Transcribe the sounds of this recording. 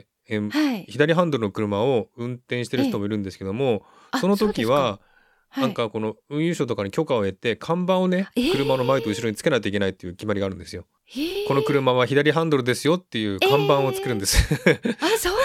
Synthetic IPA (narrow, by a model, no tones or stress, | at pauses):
eçid̪aɾʲiɦãnd̪o̞ɾɯ̟no̞kɯ̟ɾɯ̟mao̞ɯ̟̃nt̪ẽɕi̥t̪e̞ɾɯ̟çit̪o̞mo̞iɾɯ̟̃nd̪esɨ̥ke̞d̪o̞mo̞ | so̞no̞t̪o̞kʲiβ̞a | nãŋkako̞no̞ɯ̟̃ɰ̃jɯɕoːt̪o̞kaɲ̟ikʲo̞kao̞e̞t̪e̞kʰãmbãɰ̃o̞ne̞kɯ̟ɾɯ̟mano̞maet̪o̞ɯ̟ɕiɾo̞ɲit͡sɨ̥ke̞nait̪o̞ikenait̪ːe̞jɯ̟ːkʲimaɾʲiɡaːɾɯ̟nd̪esɨjo | ko̞no̞kɯ̟ɾɯ̟maβ̞açid̪aɾʲiɦãnd̪o̞ɾɯ̟d̪e̞sɨjo̞t̪ːe̞jɯ̟ːkãmbãɰ̃o̞t͡sɨ̥keɾɯ̟nd̪esɨ̥